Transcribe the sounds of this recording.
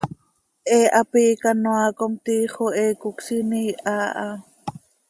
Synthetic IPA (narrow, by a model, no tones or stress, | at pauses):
ʔeːʔapiːkanoaːkomt̪iːχoeːkʊksiniːʔaːʔa